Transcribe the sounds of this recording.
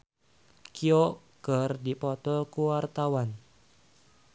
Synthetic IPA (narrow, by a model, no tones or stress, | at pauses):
kio | kərdipɔt̪ɔkuwart̪awan